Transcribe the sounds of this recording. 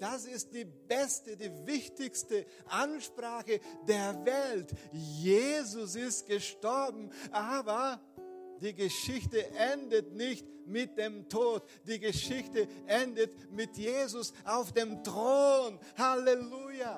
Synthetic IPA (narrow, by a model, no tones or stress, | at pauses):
d̥asɪst̚d̥iːbɛstədiːvɪçtɪçstə | ʔanʃpʁ̥aːxədeːɐvɛltjeːzʊsɪstɡ̥əʃtɔɐbm̩ʔaːbɐ | d̥iːɡəʃɪçtəʔɛndətnɪçt | mɪt̚d̥eːmtʰoːt | d̥iːɡəʃɪçtəʔɛndət | mɪtjeːzʊsʔaʊfd̥eːmtʁ̥oːn | haleluja